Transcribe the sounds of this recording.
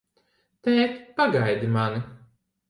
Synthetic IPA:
t̪ɛːt̪paɡajd̪imani

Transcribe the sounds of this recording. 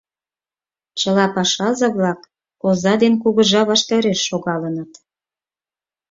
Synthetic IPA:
t͡ɕəlɑpɑʃɑzɑβlɑkː | ozɑd̪enkuɣə̆ʒɑβɑʃt̪ɑɾeʃːoɣɑlənət̪

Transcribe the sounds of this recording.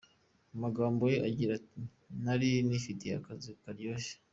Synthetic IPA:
amaɡaːmbo̞jeʔaɟiɾa | naɾinifitijakazikaɾjoːʃe̥

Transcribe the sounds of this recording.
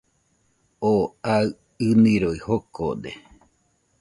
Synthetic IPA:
oaɨ | ɨnĩɾoihoko̰d̪ḛ

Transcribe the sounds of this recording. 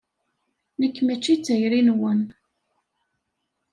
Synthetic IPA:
nəkːmæt͡ʃːit͡sːæjɾinwən

